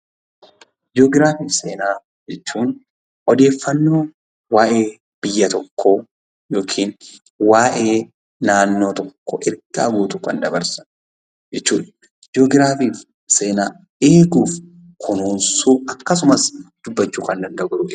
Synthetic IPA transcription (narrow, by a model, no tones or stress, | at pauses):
d͡ʒoːɡɪɾaːfiːfseːnaː | d͡ʒɛt͡ʃːuːn | ʔɔd̪e̞ːfːɐnːoː | waːʔe̞ː | b̥ɪjːɐt̪ɔkːo | joːkʰiːn | waːʔe̞ː | naːnːo̞ːt̪ɔkːo̰ʔɪɾɡɐɐɡuːt̪ʊkɐnd̪ɐbɐɾsɐ̥n | d͡ʒɛt͡ʃːuːᶑɐ̥ | d͡ʒo̞ːɡɪɾaːfiːf | se̞ːnaː | eːɡuːf | kʰʊnuːnsuːɐkːɐs̬ʊmɐsd̪̥ʊbːɐt͡ʃːuːkɐnd̪ɐnd̪ɐɡʊɾʊ